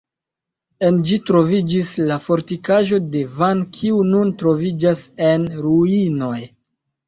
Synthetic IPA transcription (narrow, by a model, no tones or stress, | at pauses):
e̞nd͡ʒitɾo̞vid͡ʒislafo̞ɾtikaʒo̞de̞vankʰiununtɾo̞vid͡ʒase̞nɾuino̞j